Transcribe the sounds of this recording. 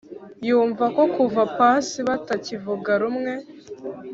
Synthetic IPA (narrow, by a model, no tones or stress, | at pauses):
juːɱvako̞kuvapasiβatacivuɡaɾumŋe̞